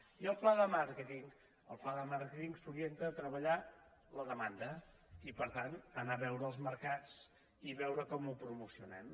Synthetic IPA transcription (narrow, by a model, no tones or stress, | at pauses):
iəlˠplaðəmaɾkət̪iŋ | əlˠplaðəmaɾkət̪iŋsuɾient̪ət̪ɾəβəʎa | ləðəmand̪ə | ipəɾt̪anənaβɛwɾəːlˠzməɾkat͡s | iβɛwɾəkɔmupɾumusiunɛm